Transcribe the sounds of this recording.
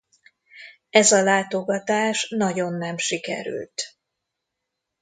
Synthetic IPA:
ɛzɒlaːt̪o̞ɡɒt̪aːʃnɒɟo̞nːɛmʃikɛ̰ɾy̰lt̪

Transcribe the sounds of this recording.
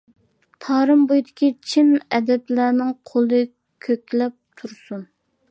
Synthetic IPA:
t̪ʰɑːɾɨmbojd̪ɪkʲit͡ʃʰimɛd̪ɛplænɪŋqʰolˠɨ | kʲʰøkʲlɛp̚t̪ʰuɾsun

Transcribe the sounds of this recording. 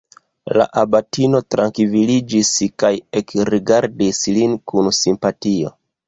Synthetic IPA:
la̰ʔabatino̞tɾaŋkivilid͡ʒiskajekɾiɡaɾdislinkʰunsimpatio̞̰

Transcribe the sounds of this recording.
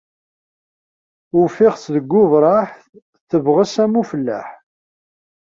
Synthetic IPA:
ʊfɪʁsðəɡʷːʊvɾˤɑħθ | θəvʁəsæmufəlːæ̰ħ

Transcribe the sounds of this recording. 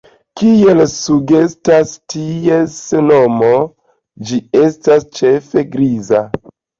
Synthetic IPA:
kie̞lsuɡe̞stastieseno̞mo | d͡ʒie̞stast͡ʃefe̞ɡɾiza

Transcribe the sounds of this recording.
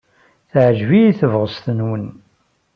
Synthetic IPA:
θʕʒvijiθəvʁəst̪ənwən

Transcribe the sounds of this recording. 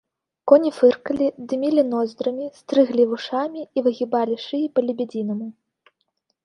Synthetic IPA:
kɔnʲifɨrkɐlʲid̪ɨmʲilʲinɔzʲd̪ɾɐmʲist̪ɾɨɣlʲivuʂamʲiːvɨɣʲibalʲiʂɨjipɐlʲibʲɛd͡zʲinɐmʲi

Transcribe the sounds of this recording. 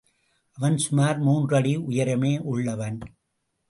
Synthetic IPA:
ʔɐʋɐnsʊmaːɾmuːndrɐɽiʊjɐɾɐmeːʔʊɭːɐʋɐn

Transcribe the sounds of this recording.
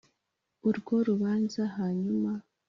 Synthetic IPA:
uɾɡo̞ɾuβaːnzaɦaɲuma

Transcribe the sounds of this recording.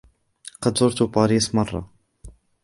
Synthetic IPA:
qɑd̪zʊɾˤt̪ʊbɑːɾiːsmɑrˤːɑ̰

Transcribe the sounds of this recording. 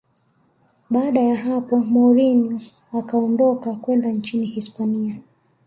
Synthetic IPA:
ɓaːɗajaɦapɔmɔɾinu | akaɔndɔkakwɛndant͡ʃinihispania

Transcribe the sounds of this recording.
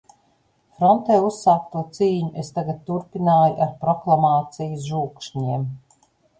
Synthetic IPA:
fɾɔnt̪ɛːusːaːkt̪uːt̪siːɲuʔest̪aɡat̪̚ʲt̪uɾpinaːjuʔaɾpɾɔklˠamaːt̪sijusʒuːkʃɲiɛm

